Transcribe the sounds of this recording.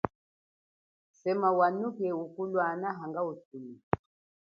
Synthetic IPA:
sɛmawanukɛukulwanaɦaŋɡautuli

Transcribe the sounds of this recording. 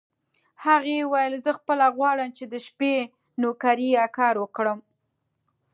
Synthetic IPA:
haɣewajəlzəxpəlaɣwɑɽəmt͡ʃed̪əʃpe | nokaɾiakɑɾwəkɽəm

